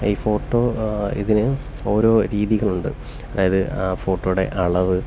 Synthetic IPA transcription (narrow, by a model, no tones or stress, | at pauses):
iːfo̞ːʈːoːḭðinɨ | o̞ːɾo̞ːɾiːðiɣɐɭuɳɖɨ̰ | ɐðaːjɐðɨaːfo̞ːʈːojɽe̞̰ʔɐɭɐʋɨ